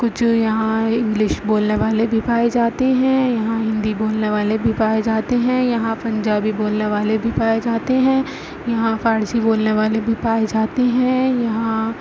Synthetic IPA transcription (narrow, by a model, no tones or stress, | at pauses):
kʊt͡ʃʰjɐɦãɪ̃ŋɡlɪʃboːlneʋaːlebʱipaːed͡ʒaːt̪eɦɛ̃jɐɦãɦɪ̃nd̪iboːlneʋaːlebʱipaːed͡ʒaːt̪eɦɛ̃jɐɦãpɐ̃ɲd͡ʒaːbiboːlneʋaːlebʱipaːed͡ʒaːt̪eɦɛ̃ː | jɐɦãfʰaːɾsiboːlneʋaːlebʱipaːed͡ʒaːt̪eɦɛ̃jɐɦã